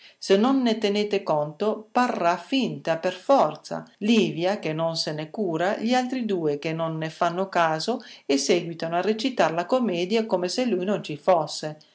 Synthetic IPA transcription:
senːonːet̪eneːt̪ekont̪oparːafint̪aperfɔrt̪sa̰liːvjakenːonsenekuːɾaʎialt̪ɾid̪uːek̟enːonːefanːokaːzoesːɛːɡwit̪anoarːet͡ʃit̪arlakomːɛːd̪jakomeselːujnont͡ʃifosːe

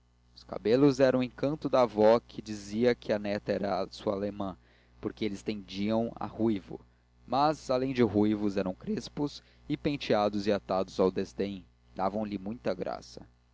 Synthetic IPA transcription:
ʊ̥ska̰belʊzɛɾɐ̃ũw̃ẽŋkɐ̃nt̪ʊd̪aːvɔkʰɪd͡ʒiziɐkʲʰɪɐnɛt̪ɐɛɾɐsuɐalemɐ̃ | poɾkeelɪst̪ẽd͡ʒiɐ̃w̃a̰hujvʊ̰ | mɐzalẽj̃d͡ʒɪɦujvʊzɛɾɐ̃w̃kɾespʊz | ɪpẽt͡ʃiad̪ʊzɪat̪ad̪ʊzawd̪ezd̪ẽj̃ | d̪̥avɐ̃w̃lɪmũj̃t̪ɐɡɾa̰sɐ

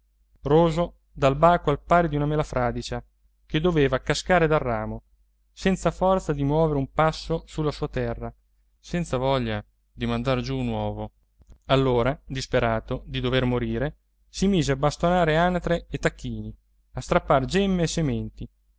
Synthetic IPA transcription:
roːzo | d̪albaːkoalpaːɾed̪iunamelafɾʔaːd̪it͡ʃa | ked̪ːoveːvakaskaːɾed̪arːaːmo | sɛnt̪safɔrt̪sad̪imwɔːveɾeumpasːosulːasuːat̪ɛrːa | sɛnt̪savɔʎːa | d̪imand̪ard͡ʒunwɔːvo | alːoːɾad̪ispeɾaːt̪od̪id̪overmoɾiːɾe | simiːzeabːast̪onaːɾeanat̪ɾeːt̪ːakʰːiːni | ast̪ɾapːard͡ʒɛmːeːsemɛnt̪i

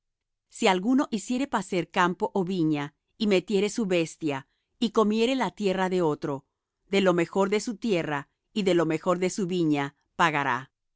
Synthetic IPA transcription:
sialɣuno̞ʔisje̞ɾe̞pase̞ɾkampo̞ʔoβiɲa | ime̞t̪je̞ɾe̞suβe̞st̪ja | iko̞mje̞ɾelat̪je̞raðe̞o̞t̪ɾo̞ | ðe̞lo̞me̞xo̞ɾðe̞sut̪je̞ra | iðe̞lo̞me̞xo̞ɾðe̞suβiɲa | paɣaɾa̰

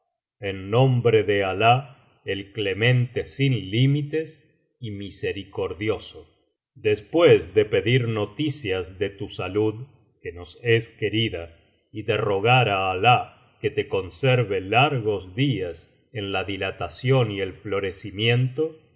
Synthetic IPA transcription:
enːõ̞mbɾeðeala | elkle̞mẽ̞nt̪e̞sinlimit̪e̞s | imise̞ɾiko̞ɾðjo̞so | d̪e̞spwezðe̞pe̞ðiɾno̞t̪isjazðe̞t̪usaluð | keno̞se̞ske̞ɾiða | iðe̞ro̞ɣaɾaːla | ket̪e̞ko̞nseɾβelaɾɣo̞zðias | enlaðilat̪asjo̞nie̞lflo̞ɾe̞simjẽ̞nt̪o

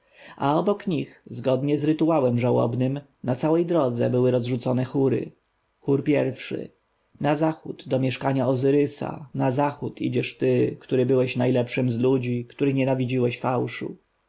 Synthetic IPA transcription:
a̰ɔbɔkɲixzɡɔd̪ɲɛzɾɘt̪uawɛmʐawɔ̰bnɘm | nat̪sawɛjd̪ɾɔd̪zɛ̰bɘwɘɾɔzʐut̪sɔnɛxuɾɘ̰ | xuɾpʲjɛɾfʂɘ̰ | nazaxud̪̥ːɔmʲjɛʂkaɲaɔzɘɾɘsa̰nazaxut̪ʰḭd͡ʑɛʂt̪ɘkt̪uɾɘbɘwɛɕnajlɛpʂɘmzlud͡ʑikt̪uɾɘɲɛnavʲid͡ʑiwɛɕfawʂṵ

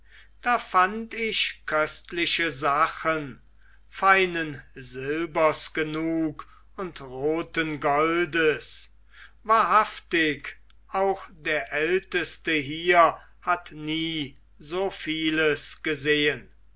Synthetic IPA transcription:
d̥aːfantɪʃkʰœstlɪʃəzaχən | faɪnənzɪlbɐsɡ̥ənuːk | ʊntʁoːtənɡɔldəs | vaːɐɦaftɪk | ʔaʊxd̥eːɐʔɛltəstəɦiːɐ | hatniː | zoːfiːləsɡ̥əzeːən

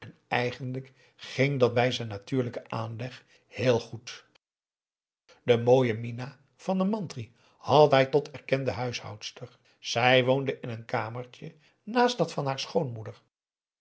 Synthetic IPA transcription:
ɛnɛjχəndlək | χɪŋdɑt̚bɛjzɛjnːatyːɹləkəʔaːnlɛχ | hɪːlˠχut | dəmoːjəmina | v̥ɑndəmɑntri | hɑtɦɛjtɔtʰɛɹkɛndəɦœɥshɑ̰wtstəɹ | z̥ɛjʋowndəʔɪnənkaːməɹcə | naːstdɑtfɑnɦaːɹsχownmudəɹ

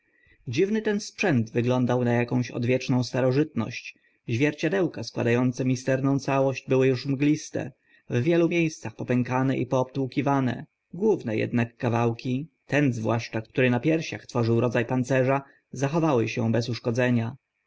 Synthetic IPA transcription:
d͡ʑivnɘt̪ɛnspʂɛnd̪vɘɡlɔnd̪awnajakɔ̃w̃ɕɔ̰d̪vʲjɛt͡ʂnɔ̃w̃st̪aɾɔʐɘt̪nɔ̰ɕt͡ɕ | ʑvʲjɛɾt͡ɕad̪ɛwkaskwa̰d̪ajɔnt̪sɛmʲist̪ɛɾnɔ̃w̃t̪sawɔɕd͡ʑbɘwɘjuʂmɡlʲist̪ɛ̰ | vvʲjɛlumʲjejst̪saxpɔpɛŋkanɛʔḭpɔːpt̪uwkʲivanɛ̰ | ɡwuvnɛjɛ̰d̪nakːavawkʲit̪ɛnzvwaʂt͡ʂakt̪uɾɘnapʲjɛɾɕa̰xt̪fɔʐɘwɾɔd̪zajpant̪sɛʐa | zaxɔvawɘɕɛ̰bɛsuʂkɔd̪zɛɲa

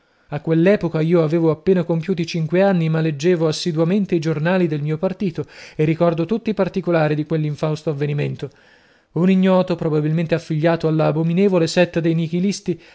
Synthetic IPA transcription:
akːwelːɛːpokaiːoaveːvoapːeːnakompjuːt̪it͡ʃiŋkweanːimalːed͡ʒːeːvoasːid̪wament̪eid͡ʒornaːlid̪elmiːopart̪iːt̪oerːikɔrd̪ot̪ut̪ːipart̪ikolaːɾid̪ikwelːiɱfawst̪oavːeniment̪o | uniɲːɔːt̪opɾobabilment̪eafːiʎːaːt̪oalːaːbomineːvolesɛt̪ːad̪ejnik̟ilist̪i

